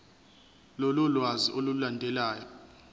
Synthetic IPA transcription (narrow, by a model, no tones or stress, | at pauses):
lɔlɔlwaziʔolulandʱɛlaːjɔ